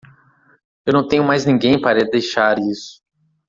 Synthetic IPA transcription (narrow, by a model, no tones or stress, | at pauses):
ewnɐ̃w̃t̪ẽɲʊ̃majznĩŋɡẽj̃paɾɐeld̪ejʃaɾisʊ̥